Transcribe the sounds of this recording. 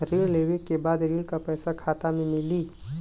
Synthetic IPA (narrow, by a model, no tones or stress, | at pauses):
ɾiːɽleːʋekebaːd̪ɾiːɽkapɛːsakʰaːt̪amẽmɪliː